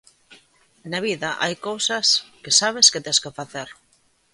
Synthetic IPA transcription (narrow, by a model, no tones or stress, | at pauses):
naβ̞iðaʔa̰jkowsaskɪsaβ̞esket̪eskefaθeɾ